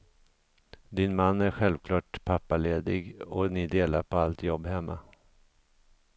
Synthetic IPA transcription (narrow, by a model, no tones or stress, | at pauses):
d̪ɪnmanːæɾɧɛlvkʰlɑːʈpʰapːaleːd̪ɪɡɔnɪd̪eːlaɾpʰɔalt̪jɔbːhɛmːa̰